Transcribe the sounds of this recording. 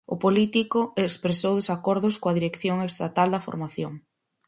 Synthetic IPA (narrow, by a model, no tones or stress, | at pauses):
ʊ̰polit̪ikʊekspɾesowðesakɔɾðʊskoɐðiɾekθjoŋest̪at̪ald̪ɐfo̰ɾmaθjoŋ